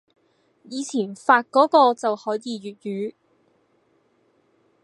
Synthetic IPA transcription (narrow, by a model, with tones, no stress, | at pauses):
jiː˨˧t͡sʰiː˨˩nfaː˧t̚kɔː˨˥kɔː˧t͡sɐ˨whɔː˨˥jiː˨˧jyː˨˩t̚jyː˨˧˥